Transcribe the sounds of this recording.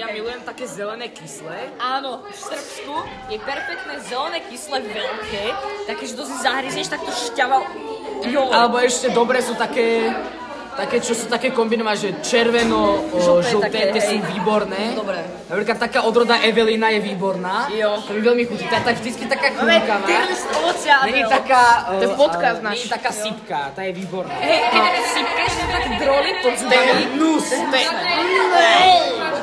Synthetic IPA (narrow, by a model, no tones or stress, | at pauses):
jamilujɛmt̪akɛːzɛlɛnɛːkislɛaːnɔ | fsr̩psku | jɛpɛɾfɛk̚t̪nɛːzɛlɛnɛːkislɛvɛʎkɛt̪akːɛʒɛd̪ɔzizaɦɾizɲɛʃt̪ak̚t̪ɔʃcaʋa | jɔalɛbɔɛʃcɛd̪ɔbɾɛːsuːt̪akɛː | t̪akɛːt͡ʃɔsuːt̪akɛːkɔmbinɔʋanʒɛt͡ʃɛɾʋɛnɔʒlt̪ɛt̪ɛsiviːbɔɾnɛːd̪ɔbɾɛ | napɾikat̪ːakaːʔɔd̪ɾɔd̪aʔɛʋɛlinajɛʋiːbɔɾnaːjɔt̪ɔmivʋɛlmixut̪it̪ɔat̪aɡvʒd̪itt͡skit̪akaːxukamaɛsɔɔt͡sɪalnit̪akaːt̪ɛpɔtkasnat̪akaːsipkat̪ajɛʋiːbɔɾna | sip̚kat̪akd̪ɾɔlit̪ɔst̪ɛɛinust̪ɛnɛ